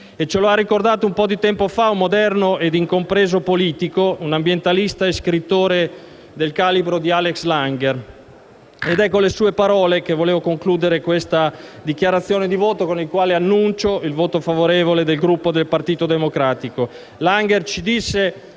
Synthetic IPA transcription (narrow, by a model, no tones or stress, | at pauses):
et͡ʃeloarːikord̪aːt̪oumpɔd̪it̪ɛmpofaumːod̪ɛrnoed̪iŋkompɾeːzopoliːt̪ikounambjent̪alist̪aeskɾit̪ːoːɾe | d̪elkaːlibɾod̪ialekslaŋɡer | ed̪ɛkːolesuːepaɾɔːlekevoleːvokoŋkluːd̪eɾekwest̪ad̪ik̟jaɾat̪sːjoːned̪ivoːt̪okonilkwaːleanːunt͡ʃoilvoːt̪ofavoɾeːvoled̪elɡɾupːod̪elpart̪iːt̪od̪emokɾaːt̪iko | laŋɡert͡ʃid̪isːe